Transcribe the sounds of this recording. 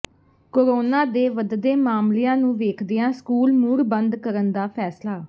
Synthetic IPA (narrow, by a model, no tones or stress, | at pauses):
koːɾoːnãːd̪eːʋəd̪d̪eːmaːmlɪjãːnũːʋeːkʰd̪ɪjãːskuːlmuːɾbənd̪kəɾənd̪aːpʰɛːslaː